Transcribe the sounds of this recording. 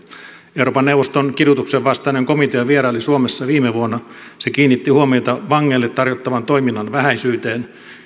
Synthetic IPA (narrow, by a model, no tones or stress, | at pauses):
euɾoːpɑnːewʋost̪onkirjut̪ukseʋʋɑst̪ɑineŋkomit̪eɑʋieɾɑlːisuomesːɑʋiːmeʋuonːɑ | se̞kiːnːit̪ːihuomio̞jt̪ɑʋɑŋːeːlːet̪ːɑrjot̪ːɑʋɑnt̪o̞jminːɑnʋæɦæjsyːt̪e̞ːn